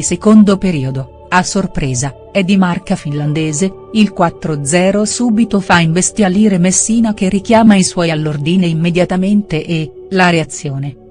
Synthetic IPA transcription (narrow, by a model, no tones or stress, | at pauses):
sekond̪opeɾiːod̪o | asːorpɾeːza | ɛd̪ːimarkafinland̪eːze | ilkwat̪ːɾod̪zɛːɾosuːbit̪ofaiɱvest̪jaliːɾemesːiːnok̟erikjaːmaiswɔjalːord̪iːneimːed̪jat̪ament̪eʔe | laɾeat̪sːjoːne